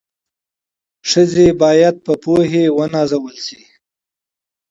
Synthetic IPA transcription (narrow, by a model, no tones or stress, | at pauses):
ʂəzebɑjad̪̚pəpoɦewənɑzawəlsi